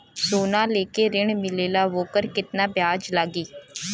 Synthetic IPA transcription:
soːnãːleːkeːɾɪɳmɪleːlaːʋoːkəɾkɪt̪naːbjaːd͡ʒlaːɡiː

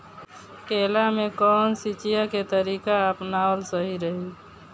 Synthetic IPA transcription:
kelamekɔnsit͡ʃijaket̪əɾikaəpnaəlsəɦiɾəɦi

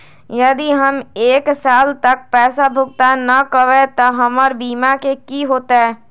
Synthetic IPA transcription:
jɐd̪iɦɐmeːksaːlt̪ɐk̚pɛːsabʱʊɡ̚t̪anɐkəʋet̪ɐɦɐmɔɾbiːmakekiɦoːt̪aɦɛː

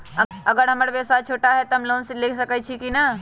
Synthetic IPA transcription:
ɐɡəɾɦɐməɽbeːsat͡ʃʰoːʈaɦɛt̪oɦɐmloːnseleːkʰsɐkəit͡ʃʰikina

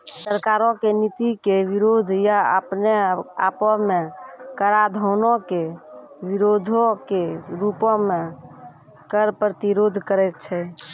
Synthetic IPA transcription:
səɾkaɾɔ̃kenit̪ikeʋiɾod̪ʱjaə̰pnea̰pɔmẽkəɾad̪ʱɔʊnɔ̃ke | ʋiɾod̪ʱõkeɾupɔ̃mẽ | kəɾpɾət̪iɾod̪ʱkəɾɛt̪t͡ʃʰɛ

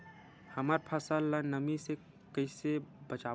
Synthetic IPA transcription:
hɐmaːɾpʰəsalːanəmise | kəɪsebət͡ʃaː

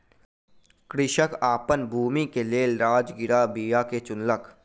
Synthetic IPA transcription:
kɾɪʃəkaːpənbʱuːmikeleːlɾaːd͡ʒɡɪɾabiːjaket͡ʃʊnlək

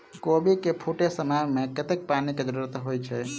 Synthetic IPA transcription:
kobikepʰuʈesəməmekət̪ek̚paniked͡ʒəɾuɾət̪ɦojt͡ʃʰɛ

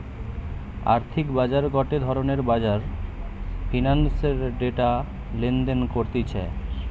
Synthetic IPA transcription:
a̰ɾt̪ʰikbad͡ʑaɾɡɔʈed̪ʱɔɾoneɾbad͡ʑaɾ | fʰinanseɾɖeʈa | lend̪enkoɾt̪it͡ɕʰḛ

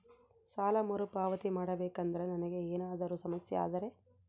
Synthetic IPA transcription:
saːlɐmoɾupaːʋɐt̪imaːɽɐbeːkɐnd̪ɐɾenɐnɐɡe̞eːnaːd̪ɐɾusɐmɐsjɐa̰ːd̪ɐɾe̞

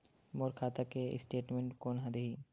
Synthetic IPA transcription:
moːɾkʰaːt̪akeɪ̰sʈeːʈmẽɳʈkoːnɦɐd̪eɦiː

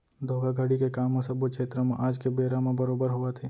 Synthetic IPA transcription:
d̪ʱoːɡaɡʱəɽikekaːmõsɐbokʰeːt̪ɾəmẽʔaːd͡ʒkebeːɾamẽbəɾoːbəɾɦʊat̪ʰeː

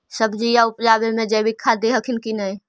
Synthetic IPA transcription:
sɐbd͡ʒijaʊpd͡ʒaːbemẽd͡ʒɛbɪkʰːad̪eɦəkʰɪnkinəẽ

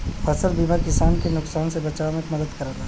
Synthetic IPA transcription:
fɐsəɾbiːmaɾkɪsaːnkenʊksaːnsebɐt͡ʃaːʋmẽkmɐd̪əd̪kɐɾad̪a

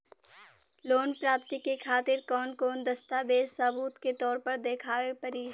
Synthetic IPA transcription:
loːnpɾaːp̚t̪ikekʰaːt̪ɪɾkɔːnkɔːnd̪ɐst̪abeːssaːbuːt̪ket̪ɔːɾpɐɾd̪eːkʰaːʋepɐɾiː

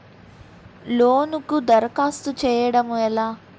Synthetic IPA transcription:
loːnukud̪ɐɾɐkaːst̪ut͡ʃɛːjɐɽɐmuɛlaː

